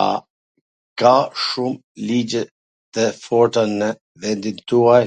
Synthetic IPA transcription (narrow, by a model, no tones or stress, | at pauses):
a̰ | kaʃum | lid͡ʑɛ | t̪əfɔɾt̪anə | vɛnd̪int̪ua